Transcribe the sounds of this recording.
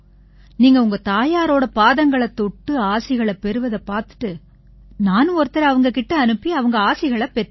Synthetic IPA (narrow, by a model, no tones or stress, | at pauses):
niːŋɡɐʊŋɡɐt̪aːjaːɾoːɽɐpaːðɐŋɡɐɭɐt̪ːɔʈːɯaːsɪɣɐɭɐpɛɾɯʋɐðɐpaːɾt̪ɯ̥ʈːɯ | naːnɯ̃ɔɾɯt̪ːɐɾɐɐʋɐŋɡɐkɪʈːɐɐnɯpːiɐʋɐŋɡɐaːsɪɣɐɭɐpɛɾ